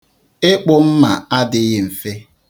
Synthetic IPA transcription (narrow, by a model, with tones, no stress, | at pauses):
ɪ˦k͡pʊ˦m̩˦ma˨a˦dɪ˨˦ɣɪ˨m̩˨fe˦